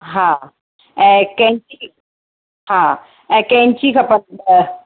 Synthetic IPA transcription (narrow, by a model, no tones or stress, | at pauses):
ɦã | kɛ̃ɲt͡ɕi | ɦã | kɛ̃ɲt͡ɕiːkʰɐpən